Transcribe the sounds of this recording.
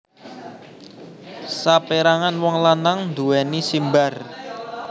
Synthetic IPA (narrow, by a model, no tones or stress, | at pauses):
sapeɾaŋanwɔŋlanaŋnd̪uwɛnisimbar